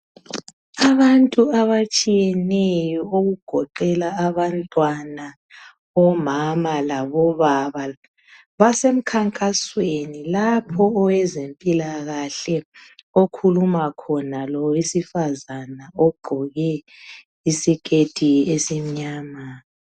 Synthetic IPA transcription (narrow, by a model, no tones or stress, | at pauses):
aβantʼuaβat͡ʃʼijɛnejɔoɣuɡ̥ʱɔǃɛlaːβantʼwana | ɔmamalaβɔβaβa | βasem̩kʰaŋkʼaswenilapʰɔːwɛzempʼilaɣaɬɛokʰulumakʰɔnalɔisifazanaɔɡ͡ǃʱɔɣɛ | isikʼetʼiesim̩ɲaːma